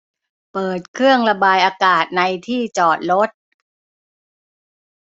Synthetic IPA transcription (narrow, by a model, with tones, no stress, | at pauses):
pɤː˨˩t̪̚kʰɾɯ˥˩əŋɾa˧baː˧jʔaː˧kaː˨˩t̪̚na˧jt̪ʰiː˥˩t͡ɕɔː˨˩t̪̚ɾo˦˥t̪̚